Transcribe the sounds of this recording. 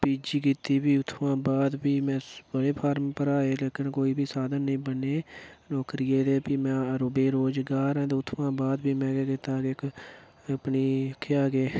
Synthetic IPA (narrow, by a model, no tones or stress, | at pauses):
piːd͡ʒiːkiːt̪iːbiːʊt̪ʰːʋãːbaːd̪biːmɛ̃ːbəɽeːpʰaːɾmpəɾaːeːleːkɪnkoːiːbʱiːsaːd̪ənːĩːbəneːnɔːkɾɪjeːd̪eːpiːmɛ̃ːɾobeːɾoːd͡ʒɡaːɾɛ̃ːt̪eːʊt̪ʰːʋãːbaːd̪biːmɛ̃ːɡekɪt̪aːkekː | pniːkʰːeːaːɡeː